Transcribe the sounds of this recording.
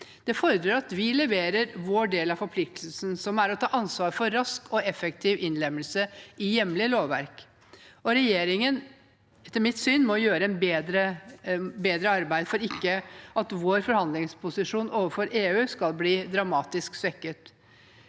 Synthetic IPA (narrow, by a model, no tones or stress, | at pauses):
d̪̥ɛfɔːɾəd̪ɾɔɾɑt̪ʋɪlɛʋeːɾəɾʋoːɖeːlɑfɔɾpʰlɪk̚t̪ʰlsn̩sɔmæɾɔt̪ʰɑːʔɑnsʋɑːɾfɔɾɾɑskʰɔɛfɛk̚t̪ʰɪːʋʔɪnlɛmːəlsəɪjɛmlɪloːʋʋæ̰ɾk | ɔɾɛjeːɾɪŋən | t̪ːɪmɪt̪syːnmɔjøːɾəɛnbeːd̪ɾə | beːd̪ɾəɑɾbæɪd̪fɔɾɪkːəʔɑt̪ʋoːɾfɔɾhɑnd̪lɪŋspʰʊsɪʂuːnʔoːʋəfɔɾʔeːʉːskɑlˠbliːd̪ɾɑmɑːt̪ɪsksʋɛkːət̪